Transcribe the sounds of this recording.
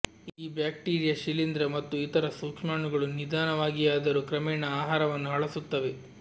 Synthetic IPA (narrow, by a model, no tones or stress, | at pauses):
iːbjaːk̚ʈiːɾijɐʃilind̪ɾɐmɐt̪ːuit̪ɐɾɐsuːkʂmaːɳuɡɐɭunid̪aːnɐʋaːɡijaːd̪ɐɾukɾɐmɛːɳɐaːɦaːɾɐʋɐnːuɦɐɭɐsut̪ːɐʋe̞